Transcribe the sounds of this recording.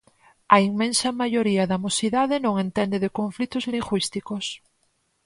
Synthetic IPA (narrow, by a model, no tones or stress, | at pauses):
aiŋmẽnsamaʝoɾiaðamosiðaðenõŋẽnt̪end̪eðekõɱflit̪ozliŋʝwist̪ikos